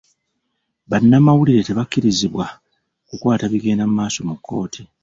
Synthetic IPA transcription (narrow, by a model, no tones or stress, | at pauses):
βanːamawuliɾe̞te̞βakːiɾiziβwa | kukwaːtaβiɡe̞ːndammaːso̞mukːo̞̰ːtʰi